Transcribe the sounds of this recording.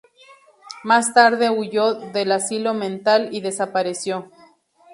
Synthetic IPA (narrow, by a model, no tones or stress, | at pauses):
mast̪aɾðe̞uʝoðelasilo̞mẽnt̪aliðe̞sapaɾesjo̞